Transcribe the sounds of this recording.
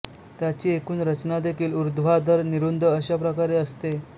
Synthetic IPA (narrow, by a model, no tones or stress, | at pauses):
t̪jat͡ɕiːekuːnɾət͡ɕnad̪ekʰiːluɾd̪ʱʋad̪ʱəɾniɾund̪ʱəəɕapɾəkaɾeəst̪e